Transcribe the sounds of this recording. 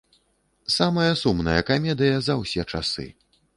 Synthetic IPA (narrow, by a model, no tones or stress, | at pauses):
samɐjɐsumnɐjɐ̰kamʲɛd̪ɨjɐzɐwsʲɛt͡ʂa̰sɨ̰